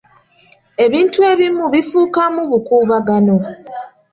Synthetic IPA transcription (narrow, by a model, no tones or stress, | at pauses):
e̞βiːntue̞βimuβifuːkamuβukuːβaɡano̞